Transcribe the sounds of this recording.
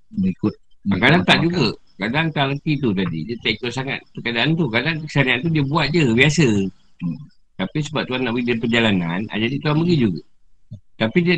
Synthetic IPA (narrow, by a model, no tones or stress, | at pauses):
bəikʊt̪̚akadaŋt̪aʔd͡ʒuɡa | kadant̪aləkit̪̬ut̪̬adḭdət̪aik̚t̪osaŋa̰t̪̚ukadaʔːnt̪ukadakə̥saniant̪̬udiabuat̪̚d͡ʒəbiasə | t̪apis̬əbap̚t̪uanːaʔbəɡidaipərd͡ʒalanana̰d͡ʒadit̪uanbəɡid͡ʒuɡa̰ | t̪apid